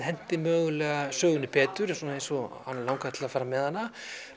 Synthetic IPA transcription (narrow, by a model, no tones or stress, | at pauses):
hɛn̥t̪ɪmœːɣʏlɛːɣasœːɣʏnɪpɛːt̪ʏɾɛsuːnaejnsɔa̰nːalawŋkat̪ʰɪlafaːɾamɛðhanːa